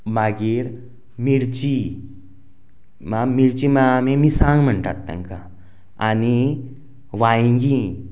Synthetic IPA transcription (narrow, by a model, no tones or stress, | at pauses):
maɡiɾ | miɾt͡ɕi | mamiɾt͡ɕimaamẽmĩsãŋɡm̤əɳʈa̰t̪ːã̰ŋka | ani | ʋaĩŋɡi